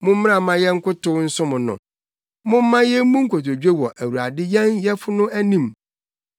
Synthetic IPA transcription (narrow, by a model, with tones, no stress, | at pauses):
mʊ̃˦m̩˦mɪ̃˦ã˨˦mã˦jɛ˦ŋ̩˦kʰʊ˦tʊ˦wn̩˦sʊ̃˦mʊ̃˨nʊ̰̃˨ | mʊ̃˦m̩˦mã˦jɛ˦mũ˦ŋ̩˦kʰo˨t̬o˨d͡ʑᶣe˦wɔ˨ʔæ˨wu˨ɾa˨dɪ˦jɛ̃˦njɛ˦fʊ˦nʊ̃˦æ˦nĩ˦m